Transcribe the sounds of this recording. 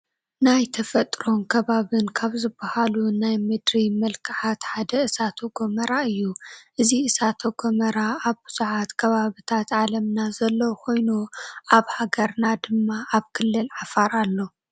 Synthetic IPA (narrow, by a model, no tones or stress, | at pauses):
najt̪ʰɐfɐt̪ʼɾo̞nkʰɐβaβɨnkʰaβzɨbːahalunajmɨd̪ɾimɐlkʰɨʕat̪ħad̪ɐɨsat̪ʰoɡomɐɾaɨjːuʔɨziɨsat̪ʰoɡomɐɾaaβbɨz̥uʕat̪kʰɐβaβit̪ʰat̪ʕalɐmnazɐlːɐwkʰo̞jnuʔaβhaɡɐɾnad̪ɨmːaʔaβkʰɨlːɨlʕafaɾalːo̞